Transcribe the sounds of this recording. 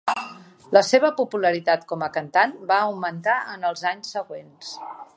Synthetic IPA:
ləseβ̞əpupuləɾit̪at̪kɔməkənt̪anbaːwmənt̪aənəlˠzaɲsːəɣwens

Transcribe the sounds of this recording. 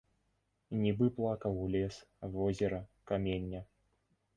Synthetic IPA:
nʲibɨplˠakɐwlʲɛsvɔzʲɪɾɐkamʲenʲːɐ

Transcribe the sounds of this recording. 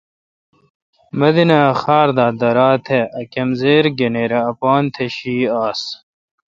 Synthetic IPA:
mɐd̪inɐxaːɾd̪aːd̪ɐɾaːt̪ʰeʔɐkɐmzeːɾɡeneːɾɐːpaːnt̪ʰeɕiːaːs

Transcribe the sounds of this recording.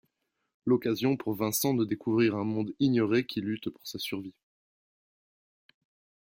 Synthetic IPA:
lɔkazjɔ̃puʁvɛ̃sɑ̃d̪əd̪ekuvʁiʁɛ̃mɔ̃d̪iɲjɔʁekʲʰilyt̪pu̥ʁsasyʁvi

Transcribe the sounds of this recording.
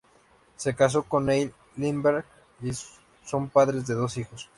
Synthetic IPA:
se̞kas̬o̞ko̞nːej | limbeɾɣ | i | sompaðɾe̞zðeðo̞sixo̞s

